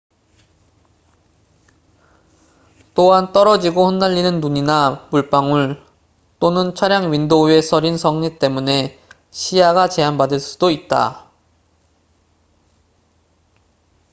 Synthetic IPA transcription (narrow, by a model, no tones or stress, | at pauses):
t͈oɦant͈ʌɾʌd͡ʑiɡoɸʌnːaʎːinɯnːuɲinamuɭp͈aŋuɭ | t͈onɯnt͡ɕʰwaɾjaŋɥindoe̞sʰʌɾinsʰʌŋɲit͈e̞mune̞ | ɕʰijaɡat͡ɕe̞anbadɯɭs͈u̥d̥oit̚t͈a̰